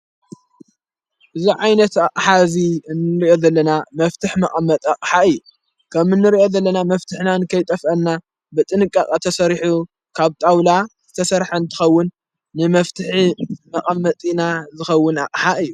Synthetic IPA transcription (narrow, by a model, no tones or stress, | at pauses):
ʔɨziʕajnɐt̪aqʼħazinɨɾiʔo̞zɐlːɐnamɐft̪ʰɨħmɐqʼɐmːɐt̪ʼaqʼħaɨjːu | kʰɐmɨnːɨɾiʔo̞zɐlːɐnamɐft̪ʰɨħnanɨkʰɐjt̪ʼɐfʔɐnːa | bɨt̪ʼɨnɨkʼːakʼat̪ʰɐsɐɾħu | kʰaβt̪ʼawlaz̥ɨt̪ʰɐsɐɾħant̪ʰɨ̥xɐwːʊnː | ɨmɐft̪ʰɨħimɐqʼɐmːɐt̪ʼinazɨxɐwːʊna̰qʼħaʔɨjːu